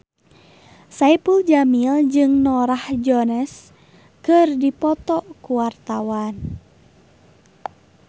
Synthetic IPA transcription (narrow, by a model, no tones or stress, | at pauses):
saipuld͡ʒamild͡ʒɨŋnɔɾahd͡ʒɔnɛs | kɨrdipɔt̪ɔkuwart̪awan